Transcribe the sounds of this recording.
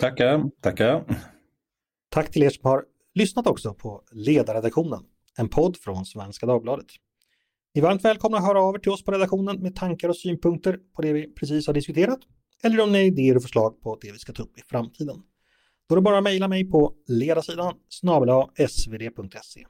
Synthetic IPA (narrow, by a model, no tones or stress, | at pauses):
t̪ʰakːat̪ʰakːa | t̪ʰakːt̪ʰɪleːʂɔmhaɾ | lʏsnat̪ɔksɔpʰɔleːd̪aɾɛd̪akɧuːnən | ɛnpʰɔd̪ːfɾɔnsvɛnskad̪ɑːɡ̚blɑːd̪ət̪ | nɪvaɾmt̪vɛːlkʰɔmnaɦœːɾaɑːvɛʈʰɪlɔspʰɔɾɛd̪akɧuːnənmɛt̪ʰaŋkaɾɔsyːnpʰɵŋk̚t̪əɾpʰɔd̪ɛvɪpʰɾɛs̬iːshaɖɪskɵt̪ʰeːɾat̪ | ɛlːəɾɔmnɪɪd̪eːəɾɔfœʂɭɑːɡ̚pʰɔd̪ɛvɪskat̪ʰːɵpːɪfɾamt̪ʰiːd̪ən | d̪̥ɔd̪ɛbɑːɾamɛjlamɛjpʰɔleːd̪aʂiːd̪ansnɑːbəlɑɛsveːd̪eːpʰɵŋk̚t̪ʰɛsḛː